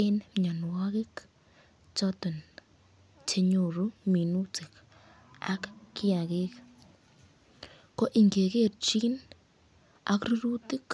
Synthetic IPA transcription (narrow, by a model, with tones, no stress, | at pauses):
e˦nmɲa˨nwa˦ɡi˦k | t͡ʃo˧t̪e˨n | t͡ʃe˧ɲu˧˨ɾu˦mi˨nu˦t͡si˨k | a̰˦kki˦ja˨ɡi˦k | ko˦ʔi˨ŋɡe˨ɡe˦˨ɾt͡ʃi˦n | a̰˧˦kɾu˦ɾu˦t̪i˦k